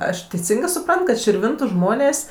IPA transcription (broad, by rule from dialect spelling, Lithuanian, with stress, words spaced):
ˈɐʃ tʲɛɪˈsʲɪŋɡɜ sʊˈprɐnt kɐt ʃʲɪrʲˈʋʲɪntʊ ˈʒmoːnʲeːsʲ